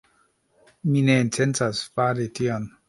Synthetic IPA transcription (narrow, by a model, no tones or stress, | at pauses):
mineintʰent͡sasfaɾition